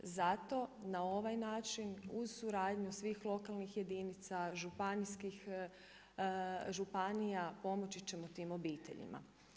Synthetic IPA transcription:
zat̪o̞nao̞ʋajnaːt͡ʃinuzsuɾaːd̪ɲusʋiːxlˠo̞kalnixje̞d̪init̪saʒupaniskix | ʒupanijapo̞mot͡ɕit͡ɕe̞mot̪iːmo̞biːt̪e̞̰ʎḭmʔa̰

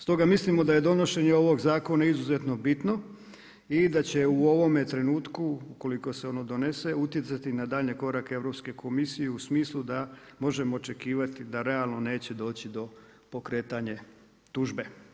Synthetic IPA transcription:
st̪o̞ɡamislimo̞d̪aje̞d̪o̞no̞ʃe̞ɲeo̞ʋo̞ɡzaːko̞naizuze̞t̪no̞bit̪no̞ | id̪at͡ɕe̞uo̞ʋo̞met̪ɾe̞nuːt̪kuuko̞liko̞seo̞no̞d̪o̞ne̞se̞ut̪je̞t̪sat̪inad̪aːʎɲeko̞ɾake̞ʋɾo̞pske̞kʰo̞misijeusmiːslˠud̪amo̞ʒe̞moːt͡ʃe̞kiːʋat̪id̪aɾe̞alˠno̞ne̞ːt͡ɕed̪o̞ːt͡ɕid̪o̞ | po̞kɾe̞ːt̪aɲe | t̪uʒbe̞

